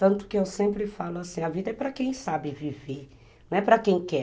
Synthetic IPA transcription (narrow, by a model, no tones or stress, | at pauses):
t̪ɐ̃nt̪ʊ̥kɪewsẽmpɾɪfalʊasĩɐvid̪ɐɛpɾɐkẽj̃sabɪviveɾ | nɐ̃w̃ɛpɾɐkẽj̃kɛ